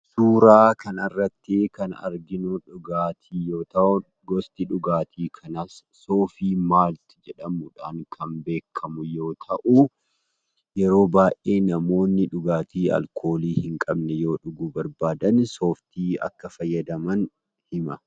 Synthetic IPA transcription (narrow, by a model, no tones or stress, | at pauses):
suːɾaːkʰɐnɐrːɐt̪ːɪkɐnɐ̰ɾɡɪnʊᶑʊɡaːt̪ʰiːjoːt̪ɐʔɔ | ɡɔst̪ɪᶑʊɡaːt̪ʰiːkʰɐnɐsso̞ːfiːmaːlt̪ɪ̥d͡ʒɛᶑɐmʊᶑaːnkʰɐmbe̞ːkʰːɐmʊjo̞ːt̪ʰɐʔu | jɛɾo̞ːbaːʔeːnɐmo̞ːnːɪᶑʊɡaːt̪iːɐ̰lkʰo̞ːliːhɪŋkʼɐbnɛjo̞ːᶑʊɡubɐɾbaːd̪ɐnso̞ːft̪iːɐ̰kːɐfɐjːɐd̪ɐmɐn | hɪmɐ